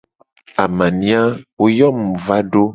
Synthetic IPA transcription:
a˨mã˨nĩ˨˦a˦wo˦jɔ˦mũ˨va˦ɖo˦

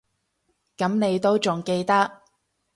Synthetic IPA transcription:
kɐ˨˥mne˨˧jt̪o˥wt͡sʊ˨ŋke˧jt̪ɐ˥k̚

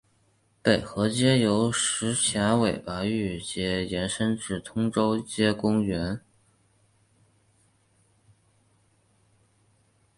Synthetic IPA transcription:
pe˨˩ɪxɤ˧˥t͡ɕjɛ˥jo˧˥ʊʂɻ̩˧˥t͡ɕʰja˧˥we˨˩ɪpa˧˥y˥˩t͡ɕjɛ˧˥jɛ˧˥nʂə˥nʈ͡ʂɻ̩˥˩t̪ʰʊ˥ŋʈ͡ʂo˥ʊt͡ɕjɛ˥kʊ˥ŋɥɛ˧˥n

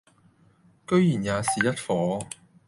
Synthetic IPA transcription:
kɵ˥ɥjiː˨˩njaː˨˧siː˨˩jɐ˥t̚fɔː˨˧˥

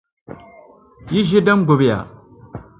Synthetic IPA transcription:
ji˦ʒi˦da˦mɡo˨bja̰˨

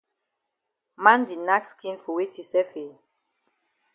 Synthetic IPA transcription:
mã˦ndi˨na˦kskĩ˦nfu˨we˦tʰi˨sɛ˦fe˨

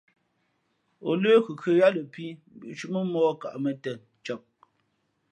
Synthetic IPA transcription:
o˨le˦ku˨kʰə˨ja˦lə˨pi˦bi˨ʔt͡ʃu˦ʔmə˦mɔː˦ka̰˨ʔmə˨tɛ˨ | t͡ʃɔ˨p̚

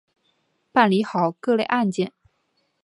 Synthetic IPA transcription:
pa˥˩nli˧˥xɑ˨˩ʊkɤ˥˧le˥˧ɪʔa˥˧nt͡ɕjɛ˥˩˨n

